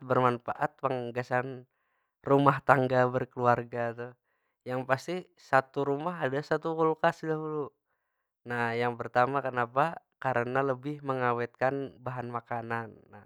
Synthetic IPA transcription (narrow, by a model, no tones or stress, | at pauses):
bərmanfaʔat̪̚paŋɡasan | rumaht̪aŋɡabərkəluarɡat̪u | jaŋpast̪i | sat̪uɾumaɦadasat̪ukulkasdaɦulu | nahjaŋpərt̪amakənapa | kaɾənaləbɪhməŋawɛt̪̚kanbaɦanmakananːa